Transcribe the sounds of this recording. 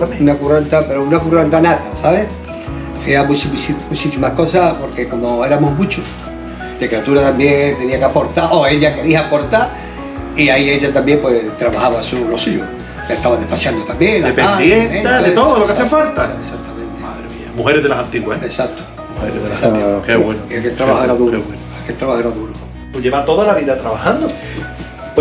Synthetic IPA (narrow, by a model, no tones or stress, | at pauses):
amunakurant̪ape̞ɾounakurant̪anat̪asaβeh | eamusisimut͡ʃisimahko̞sapoɾke̞ko̞moe̞ɾamoɦmũt͡ʃu | d̪ekɾeat̪uɾat̪ambjeŋt̪e̞niakeapo̞ɾt̪aɾʔoeʎake̞ɾiapo̞ɾt̪a | iaie̞ʎat̪ambje̞mpwe̞t̪ɾaβahaβasunosiʎṵ | ket̪aβaðepasjand̪ot̪ambjẽŋlaepead̪jenẽt̪aðet̪oðoelokaθefalt̪aesak̚t̪amẽnt̪emaðɾmĩa̰muheɾeðelasant̪iɣwaeesat̪ʰo̥ | muheɾeðesakeβwenoakelt̪ɾaβahoeɾaðuɾewenakelt̪ɾaβahoeɾaðuɾo | t̪uʎeβat̪oðalaβiðat̪ɾaβahand̪o